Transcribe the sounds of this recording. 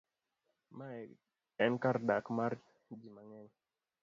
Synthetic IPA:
ma | ɛnkaɾɗakmaɾ | d͡ʒimaŋɛn

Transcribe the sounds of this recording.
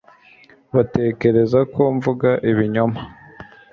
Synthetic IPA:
βate̞ːke̞ɾe̞zakʰoɱvuɡaʔiβiɲoma

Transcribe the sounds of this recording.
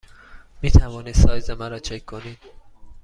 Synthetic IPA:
miːt̪ʰævɒːniːd̪ssɒːjzemæɾɒːt͡ʃʰekʰkʰːoniːd̪̥

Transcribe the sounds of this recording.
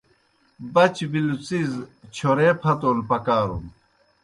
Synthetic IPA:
bɐt͡ɕbilut͡sizt͡ɕʰoɾeːpʰɐt̪oːlpɐkaːɾum

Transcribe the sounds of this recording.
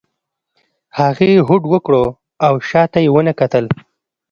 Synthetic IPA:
haɣeɦʊɖwəkɽo | awʃɑt̪ajewənəkat̪əl

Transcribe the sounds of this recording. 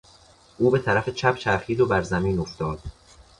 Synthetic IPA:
ʔuːbe̞t̪ʰæɾæfe̞t͡ʃʰæpt͡ʃʰæɾχiːd̪obæɾzæmiːnoft̪ɒːd̪̥

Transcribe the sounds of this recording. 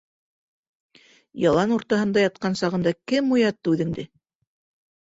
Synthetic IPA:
jɑlˠɑnuɾt̪ɑɦɤ̆nd̪ɑjɑt̪̚qɑnsɑʁɤ̆nd̪ɑkɘmujɑt̪ːʉðɘ̆ŋd̪ɘ

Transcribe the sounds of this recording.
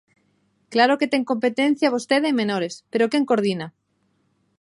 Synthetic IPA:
klaɾoket̪e̞ŋko̞mpet̪en̟θjaβ̞ost̪eðemẽnoɾespeɾokeŋkoɾð̞ina

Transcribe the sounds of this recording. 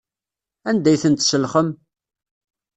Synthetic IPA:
ænd̪æjθənt̪səlχəm

